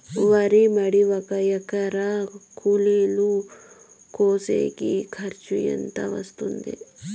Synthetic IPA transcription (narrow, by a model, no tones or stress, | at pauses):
ʋaɾimɐɽiʋɐkajɐkɐɾakʰulilu | koːsḛkikʰɐɾt͡ʃujɐ̰nt̪a̰ʋɐ̰st̪und̪ḛ